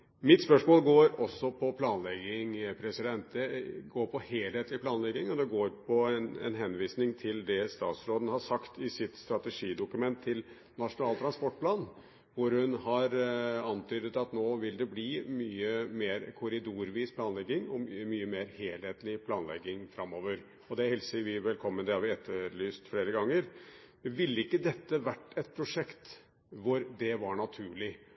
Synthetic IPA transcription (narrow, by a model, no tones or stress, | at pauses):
mɪt̪spœʂmoːlɡoːɾɔsːɔpʰɔpʰlɑːnlɛɡɪŋpʰɾɛsɪd̪ɛnt̪ɛɡoːɾpʰɔheːleːt̪lɪpʰlɑːnlɛɡːɪŋɔd̪ɛɡoːɾpʰɔɛnɛ̰nɦɛnʋiːsnɪŋt̪ʰɪld̪ɛst̪ɑ̰ːt̪sɾoːd̪ənəhɑsɑkt̪ɪsɪt̪st̪ɾɑt̪ɛʂiːd̪ʊkʉmɛnt̪ʰːɪl | nɑʂʊnɑːlt̪ʰɾɑnspɔʈ̚ːpʰlɑːn | ʋʊɾhʉnɦɑɾɑnt̪ʰyːd̪ət̪ɑt̪noːʋɪld̪ɛbliːmyːəmeːɾkʰʊɾɪd̪uːɾʋiːspʰlɑːnlɛɡːɪŋɔmmyːəmeːɾheːlheːt̪lɪpʰlɑːnlɛ̰ɡːɪŋfɾɑmːoːʋəɾ | ɔd̪ɛæhɛlsəʋɪʋɛlkʰɔmːənd̪ɛhɑɾʋɪɛt̪ʰːəɭyːst̪fleːɾəɡɑŋːəɾ | ʋɪlːəɪkːəd̪ɛt̪ːəʋæʈːɛt̪̚pʰɾʊʂɛkt̪ | ʋʊɾd̪ɛʋɑɳɑt̪ʰʉːɭɪ